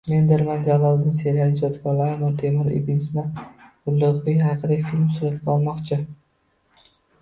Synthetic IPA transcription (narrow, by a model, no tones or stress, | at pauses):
me̞nd̪ɪɾmand͡ʒavɒlˠd̪ɪnse̞ɾalɪd͡ʒɒt̪ɡɒɾlaɾmaɾt̪ʰemɪɾḭbinsnaɡ̥ʊlːʊqvɪjʲɦaqʰɨd̪afilʲmsʊɾat̪ɡʲaɒlˠmɒqt͡ʃʰɪ